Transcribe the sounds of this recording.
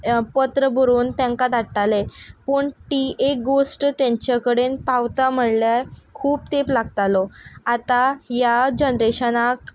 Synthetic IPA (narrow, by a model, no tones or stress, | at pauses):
pət̪ɾəbʱəɾuːnt̪jãŋkat̪aɽʈalepəːɳʈiek̚ɡosʈt̪jãɲt͡ɕakəɽenpawt̪am̤əɽljaɾkʰuːp̚t̪eplaɡt̪alɔat̪ajad͡ʑənɾeɕənak